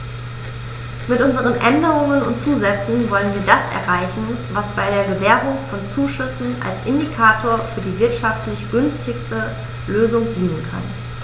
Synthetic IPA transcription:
mɪtʔʊnzəʁ̞ənʔɛndəʁʊŋənʊ̰ntt͡suːzɛt͡sn̩vɔlənviːɐdasʔɛ̰ɐʁaɪçn̩vasb̥aɪɾeːɐɡəvɛːʁʊŋfɔnt͡suːʃʏsn̩ʔa̰lsʔɪndikʰaːtʰoːɐfyːɐdiːvɪɐtʃaftlɪçɡ̥ʏnstɪçstə | løːzʊŋdiːnənkʰa̰n

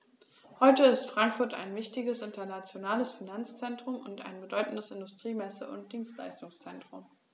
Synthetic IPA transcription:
hɔʏtəɪstfʁ̥aŋkfʊɐta̰ɪnvɪçtɪɡəsɪntɐnat͡sjonaːləsfinant͡st͡sɛntʁ̥ʊmʊnta̰ɪnbədɔʏtn̩dəsɪndʊstʁ̥iːmɛsə̰ʔʊ̰nt̚d̥iːnstla̰ɪstʊŋst͡sɛntʁ̥ʊm

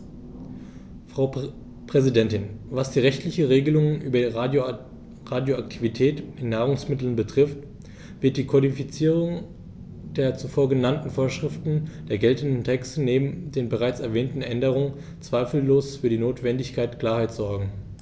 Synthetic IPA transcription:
fʁ̥aʊ | pʁ̥ɛzidɛntɪnvasd̥iːʁɛçtlɪçəʁeːɡəlʊŋənʔyːbɐ | ʁaːdjoak̚tʰivitʰɛːtʔɪnːaːʁ̞ʊŋsmɪtl̩nbətʁ̥ɪft | v̥ɪɐt̚d̥iːkʰɔdifit͡siːʁʊŋ | d̥eːɐt͡sufoːɐɡənantn̩foːɐʃʁ̥ɪftn̩d̥eːɐɡɛltn̩dn̩tʰɛkstəneːbm̩deːnbəʁaɪt͡sɛɐvɛːntn̩ʔɛndəʁ̞ʊŋən | t͡sv̥aɪfl̩loːsfyːɐɾiːnoːtv̥ɛndɪçkʰaɪtkl̥aːɐhaɪtz̥ɔɐɡŋ̩

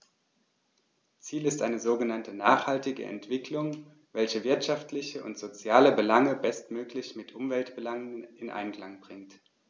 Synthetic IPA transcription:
t͡siːlɪstʔaɪnəzoːɡənantənaːχhaltɪɡə̰ʔɛ̰ntv̥ɪklʊŋ | vɛlçəvɪɐtʃaftlɪçəʔʊ̰ntz̥ot͡sjaːləbəlaŋəbɛstmøːklɪçmɪtʔʊmvɛltb̥əlaŋənɪnʔa̰ɪnklaŋbʁɪŋt

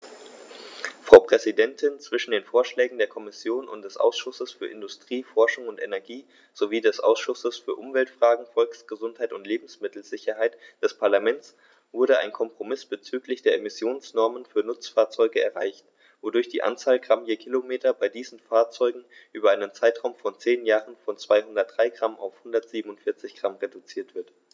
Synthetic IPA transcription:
fʁ̥aʊpʁ̥ɛzidɛntʰɪnt͡sv̥ɪʃn̩deːnfoːɐʃlɛːɡŋ̩deːɐkʰɔmɪsjoːnʊ̰nt̚d̥ɛsʔa̰ʊsʃʊsəsfyːɐʔɪndʊstʁ̥iːfɔɐʃʊŋʊntʔenɛɐɡiː | z̥oviːdɛsʔa̰ʊsʃʊsəsfyːɐʔʊmvɛltfʁ̥aːɡŋ̩fɔlksɡ̥əzʊnthaɪtʊntleːbm̩smɪtl̩zɪçɐɦaɪtd̥ɛspʰaɐlamɛnt͡s | v̥ʊɐɾəa̰ɪnkʰɔmpʁ̥omɪsb̥ət͡syːklɪçd̥eːɐemɪsjoːnsnɔɐmənfyːɐnʊt͡sfaːɐt͡sɔʏɡəɛɐʁa̰ɪçt | vodʊɐçd̥iːʔa̰nt͡saːlɡʁamjəːkʰilomeːtɐbaɪdiːzn̩faːɐt͡sɔʏɡŋ̩ʔyːbɐaɪnənt͡saɪtʁ̥aʊmfɔnt͡seːnjaːʁənfɔnt͡sv̥aɪhʊndɐt̚d̥ʁaɪɡʁamʔa̰ʊfhʊndɐtz̥iːbm̩ʊntfɪɐt͡sɪçɡ̥ʁ̥amʁedut͡siːɐtv̥ɪɐt

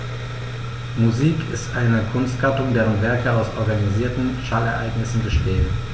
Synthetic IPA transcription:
muziːkʰɪstʔaɪnəkʰʊnstɡ̥atʊŋdeːʁənvɛɐkəaʊsʔɔɐɡaniziːɐtn̩ʃalɛɐʔa̰ɪɡnɪsn̩bəʃtɛːlt

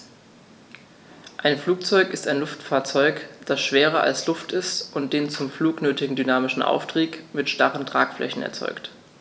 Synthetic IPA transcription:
ʔaɪnfluːk̚t͡sɔʏkɪstaɪnlʊftfaːɐt͡sɔʏkd̥asʃv̥eːʁɐa̰lslʊftɪstʔʊnt̚d̥eːnt͡sʊmfluːknøːtɪɡŋ̩dynaːmɪʃn̩ʔa̰ʊftʁ̥iːkmɪtʃtaʁəntʁ̥a̰ːkflʔɛ̰çn̩ɛ̰ɐt͡sɔ̰ʏkt

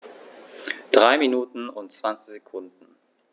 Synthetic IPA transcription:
d̥ʁaɪminuːtn̩ʊ̰ntt͡sv̥ant͡sɪçz̥ekʰʊndn̩

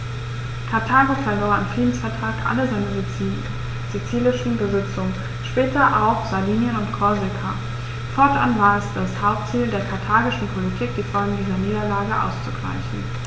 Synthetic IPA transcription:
kʰaɐtʰaːɡo̥aɪvoɐamfʁ̥iːdn̩sfɛɐtʁ̥aːkʔa̰ləzaɪnə | z̥et͡siːlɪʃn̩bəzɪt͡sʊŋə | ʃpɛːtɐʔaʊxz̥aɐviːnjənʊntkʰɔɐzɛkʰa | fɔɐtʔa̰nvaːɐɛsd̥ashaʊp̚tt͡siːldeːɐkʰaɐtʰaːɡɪʃn̩pʰolitʰiːk̚d̥iːfɔlɡŋ̩diːzɐniːdɐlaːɡəʔa̰ʊst͡suɡ̥ʁa̰ɪçn̩

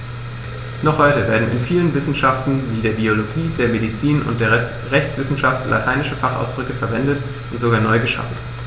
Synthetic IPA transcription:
nɔχhɔʏtəveːɐdn̩ɪ̰nfiːlənvɪsn̩ʃaftn̩viːdeːɐbioloɡiːdeːɐmedit͡siːnʊ̰ntd̥eːɐɛ | ʁɛçt͡sv̥ɪsn̩ʃaftlʔa̰tʰaɪnɪʃəfaχa̰ʊsd̥ʁʏkəfɛɐvɛndət | ʔʊntz̥oɡaːɐnɔʏɡəʃa̰fn̩

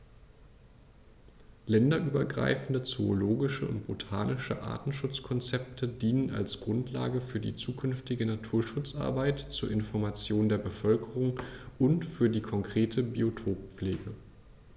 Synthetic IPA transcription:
lɛndɐʔyːbɐɡʁa̰ɪfn̩dət͡sooloːɡɪʃəʊ̰ntb̥otʰaːnɪʃə̰ʔa̰ːtn̩ʃʊt͡skʰɔnt͡sɛp̚tʰədiːnəna̰lsɡ̥ʁʊntʰla̰ːɡəfyːɐdḭːt͡suːkʰʏnftɪɡənatʰuːɐʃʊt͡sʔa̰ɐbaɪtt͡suːɐʔɪnfɔɐmat͡sjoːndeːɐbəfœlkəʁʊŋʔʊntfyːɐdiːkʰɔŋkʁ̥eːtʰəbiotʰoːp̚p͡fleːɡə

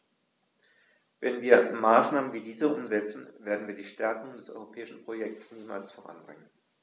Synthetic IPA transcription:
vɛnviːɐmaːsnaːmənviːdiːzəʔʊmzɛt͡sn̩veːɐdn̩viːɐdiːʃtɛɐkʊŋdɛsʔɔ̰ʏʁopʰɛːɪʃn̩pʁ̥ojɛk̚tsniːma̰ːlsfoʁa̰nbʁɪŋən

